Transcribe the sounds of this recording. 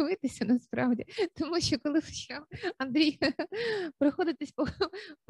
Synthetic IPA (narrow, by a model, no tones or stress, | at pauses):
ʋɪt̪ɪsʲɐnɐspɾɑʋdʲit̪ɔmuʃt͡ʃɔkɔlˠɪst͡ʃɑmɐnd̪ɾʲijɐpɾɐxɔd̪ɪt̪esʲpɔp